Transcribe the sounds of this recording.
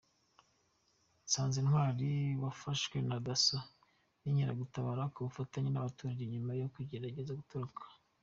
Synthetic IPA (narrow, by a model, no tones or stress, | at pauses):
saːnzinhwaːɾiwafaʃwe̞nadasa | niɲiɾaɡutaβaːɾakuβufataɲenaβatuːɾaɾeɲumajokuɟeɾaɟezaɡutuɾukʰḁ